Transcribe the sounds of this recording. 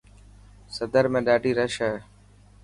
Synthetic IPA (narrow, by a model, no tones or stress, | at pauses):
səd̪əɾmẽːɗaːɖiːɾəʃɛː